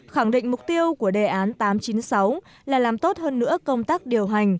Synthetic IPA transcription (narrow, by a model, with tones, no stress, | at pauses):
xa˧˩ŋɗḭ˧˨ŋ̟mʊ˨˩k͡p̚t̪i˧əwku˧˩əɗe˨˩ʔaː˨˦nt̪aː˨˦mt͡ɕi˨˦nsa˨˦w | laː˨˩laː˨˩mt̪o˦˥t̚həː˧nːɨ̰˧˥əkə˧wŋ͡mt̪aː˦˥k̚ɗi˨˩əwɦa˨˩ŋ̟